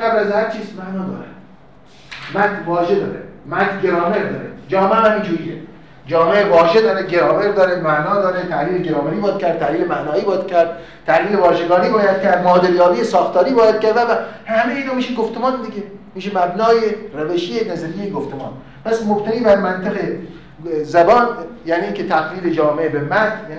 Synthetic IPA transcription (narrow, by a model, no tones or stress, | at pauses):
ɡæblæzhæɾt͡ʃʰiːsmæʔnɒːd̪ɒ̰ːɾæ̰d̪ | mæt̪ʰvɒːʒed̪ɒ̰ːɾemæt̪ʰɡeɾɒːmeɾd̪ɒ̰ːɾed͡ʒɒːmeæmind͡ʒuːɾiːje | d͡ʒɒːmeevɒːʒed̪ɒːɾeɡeɾɒːveɾd̪ɒːɾemæʔnɒːd̪ɒːɾet̪ʰæhliːleɡeɾɒːmeɾiːbɒjæd̪̚kʰʲæɾd̪t̪ʰːæhliːlemæʔnɒːiːbɒːjæd̪̥̚cʲʰæɾd̪̥̚ | t̪ʰæhliːlebɒːʃeɡɒːniːbɒːjæd̪̥̚kʲʰæɾd̪mɒːd̪eɾjɒːbijesɒːxt̪ɒːɾiːbɒːjæd̪̚kæɾd̪ævæhæmejiːnoːmiːʃinɡoft̪emɑːnd̪iɡʲemiːʃemæbnɒːjeræveʃienæzæɾijejɡoft̪emɑ̰ːn | pʰæsmobt̪ʰæniːbæɾmænt̪ʰeɣe | zæbɒːnjæniːiːkʰʲet̪ʰæɣliːled͡ʒɒːmeʔebemækjæni